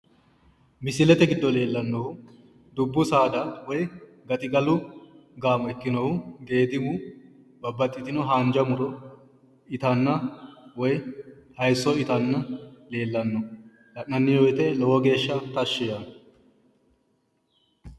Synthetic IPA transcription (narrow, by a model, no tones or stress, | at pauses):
mɪsɪlɛt̪ɛɡɪd̪ːɔle̞ːlːɐnːɔhʊ | d̪ʊbːʊsaːd̪ɐwɔj | ɡɐt̪ʼɪɡɐlʊ | ɡaːmɔɛkːɪnɔhʊɡ̪e̞ːd̪ɪbʊ | bɐbːɐt̪ʼːɪt̪ɪnɔɦaːnd͡ʒɐmʊɾɔ | ɪt̪ɐnːɐwɔjhɐjsɔɪt̪ɐnːɐle̞ːlːɐnːɔ | lɐʔnɐnːɪjɔjt̪ɛlɔwɔɡe̞ːʃːɐt̪ɐʃːɪja